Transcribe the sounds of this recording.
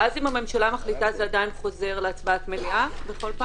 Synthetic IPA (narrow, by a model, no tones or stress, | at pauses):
ʔazimhame̞mʃalamaχlitazeadajinχo̞ze̞ʁleat͡svaatmeliʔabeχo̞lpa